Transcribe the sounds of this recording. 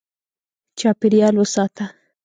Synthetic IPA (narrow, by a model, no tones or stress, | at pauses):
t͡ʃɑpɪɾjɑlwəsɑt̪a